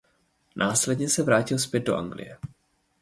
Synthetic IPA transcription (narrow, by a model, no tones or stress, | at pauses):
nʔaːslɛdɲɛsɛvɾaːcɪlspjɛd̪̚do̞ʔa̰ŋɡlɪ̰jɛ